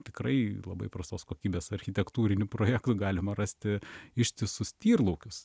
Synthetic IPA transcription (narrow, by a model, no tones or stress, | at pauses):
t̪ʲɪkrɐɪlˠɐbɐɪpɾɐst̪oːskoːkʲiːbʲeːsɐɾʲxʲɪt̪ʲɛkt̪uːɾʲɪnʲʊpɾoːjæːkt̪ʊɡɑːlʲɪmɐɾɐsʲt̪ʲɪɪʃʲt̪ʲɪsʊsʲt̪ʲiːrlˠɐʊkʲʊs